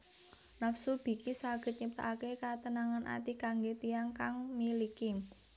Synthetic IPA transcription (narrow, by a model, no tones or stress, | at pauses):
nafsulb̥i̤kisaɡ̥ə̤t̪̚ɲəp̚t̪a̰akekat̪ənaŋanʔa̰t̪ikaŋɡet̪ijaŋkaŋmilikɪm